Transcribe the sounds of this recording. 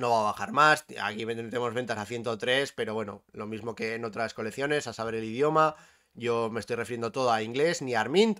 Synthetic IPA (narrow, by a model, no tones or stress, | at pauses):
no̞βaβaxaɾmasa̰kiβet̪emo̞zβe̞nt̪asaθje̞nt̪ot̪ɾe̞spe̞ɾo̞βwe̞no̞̰lo̞mizmo̞ke̞ːno̞t̪ɾasko̞le̞θjo̞ne̞sasaβe̞ɾelið̞jo̞ma | ʝo̞me̞st̪ojrefiɾjend̪ot̪oðoaiŋɡle̞zniaɾmĩnt̪